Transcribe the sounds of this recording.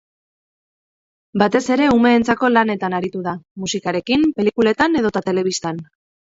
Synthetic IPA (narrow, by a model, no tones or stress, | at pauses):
bat̪e̞se̞ɾe̞ume̞ːnt͡sako̞lane̞t̪anaɾit̪uðamusikaɾe̞kimpe̞likule̞t̪ane̞ðo̞t̪at̪e̞le̞β̞ist̪an